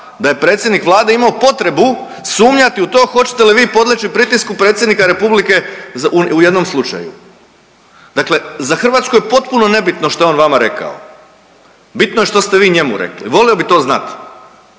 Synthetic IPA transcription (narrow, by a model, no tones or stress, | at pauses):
d̪aje̞pɾe̞ːt̪sʲjed̪nikʋlˠaːd̪e̞imaopo̞t̪ɾe̞bu | suːmɲat̪iut̪o̞ːxo̞t͡ɕe̥t̪eliʋiːpo̞d̪lʲet͡ɕipɾit̪iskupɾet̪sjenikaɾe̞publike̞zuujed̪no̞mslˠut͡ʃa̰jṵ | d̪̥akle̞zaxr̩ʋaːt̪skojepo̞t̪puno̞ne̞bit̪noʃt̪ojeo̞ːnʋamaɾe̞ka̰o | bit̪nojeʃt̪o̞st̪eʋiːɲe̞mṵɾḛklḭʋo̞lio̞bit̪o̞ːzna̰t̪